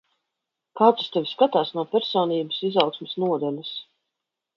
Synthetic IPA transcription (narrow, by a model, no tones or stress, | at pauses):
kaːt̪sḁst̪ɛvʲiskat̪aːsnuɔpʲɛɾsɔːniːbəsizawksmɪsnuɔd̪ɛlʲas